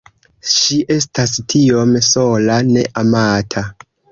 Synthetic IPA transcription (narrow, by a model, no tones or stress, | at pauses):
ʃiʔe̞s̬tastʰio̞mso̞lane̞ʔamatʰa